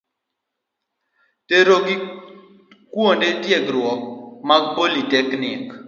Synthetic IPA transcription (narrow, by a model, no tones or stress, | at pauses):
teɾoɡi | kwondetjeɡɾwɔk̚maɡ̚politɛknɪk